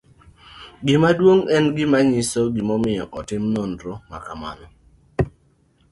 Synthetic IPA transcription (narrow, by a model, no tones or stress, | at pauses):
ɡɪmadwoŋɛnɡɪmaɲɪsoɡɪmɔmɪjɔ̰ʔɔtɪmnondɾoma̰kama̰nɔ